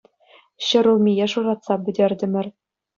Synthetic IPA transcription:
ɕɤ̆ɾŭlˠmʲijeʂurɑt̪sɑbʲɘ̆dʲerʲdʲɘ̆mʲɘ̆rʲ

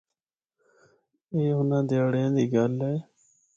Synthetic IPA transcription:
eːɦʊnãːd̪eaːɽjãːd̪iːɡəlɦɛː

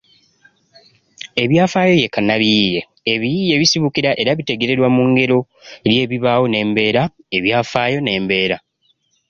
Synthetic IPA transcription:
e̞βjaːfaːjo̞je̞kanaβijiːje̞ː | βijije̞βisiβukiɾaʔe̞ɾaβite̞ɡe̞ɾe̞ɾwamuŋɡe̞ɾo̞ | lje̞ːβiβaːwo̞ne̞ːmbe̞ːɾa | e̞βjaːfaːjo̞ne̞ːmbe̞ːɾa

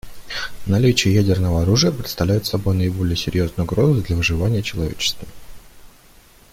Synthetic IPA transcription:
nɐlʲit͡ɕɪjəjædʲɪrnəvəɐɾuʐɨjəpɾʲɪt̪st̪ɐvlʲæjɪt̪sɐbo̞jnəɪbo̞lʲɪjəsʲɪɾʲjo̞znəjʊɡɾo̞zɨd̪lʲɐvɨʐɨvanʲɪjət͡ɕɪlˠɐvʲḛt͡ɕɪ̥st̪və

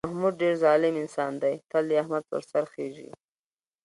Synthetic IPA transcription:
mahmud̪̚ɖeɾzɑlɪmɪnsɑnd̪ajt̪aliahmad̪̚pə̰ɾsaɾxeʒḭ

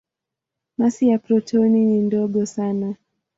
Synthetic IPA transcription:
masijapɾɔtʰɔninindɔɠɔsana

